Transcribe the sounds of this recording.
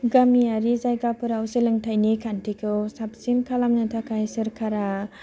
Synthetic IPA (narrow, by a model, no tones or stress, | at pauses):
ɡamiaɾizajɡapuɾawsilɯŋtʰajnikʰantʰikʰɯsap̚sinkʰalamnatʰakʰajsɯɾkʰaɾa